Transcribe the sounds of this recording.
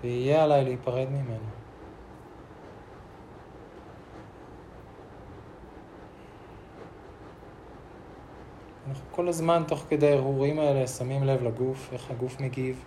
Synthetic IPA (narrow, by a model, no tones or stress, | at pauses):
veijealajleipaʁe̞d̪mime̞na | anaχnuko̞lazmanto̞χke̞d̪ejhuʁimae̞le̞samimle̞vlaɡufe̞χhaɡufmeɡiv